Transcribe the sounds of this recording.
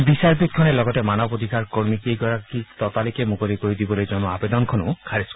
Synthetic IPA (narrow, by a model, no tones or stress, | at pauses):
bisaɹbit̚kʰɔnɛlɔɡɔtɛmanɔbod̪ʱikʰaɹkoɹmikejkɔɹakit̪ɔtalikɛmukolikoɹid̪ibɔlojzɔnɔabed̪ɔnkʰɔnʊ̃kʰaɹisk